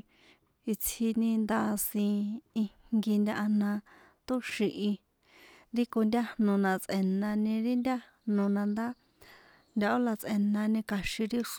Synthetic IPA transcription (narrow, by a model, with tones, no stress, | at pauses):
i˧t͡sʰhi˧nĩ˧nd̪a˦˧sĩ˧i˧ŋɡi˧nd̪ʲa˧ʔa˧nã˧ | t̪u˦ʃi˧ʔi˧ | ɾi˦ko˧nd̪ʲa˦hnõ˧nã˧t͡sʼʔe˨nã˧nĩ˧ɾi˦nd̪ʲa˦ | nõ˧nã˧nd̪a˦ | nd̪ʲa˧o˦la˧t͡sʔe˧nã˧nĩ˧ka˧ʃĩ˧ɾi˦ʂ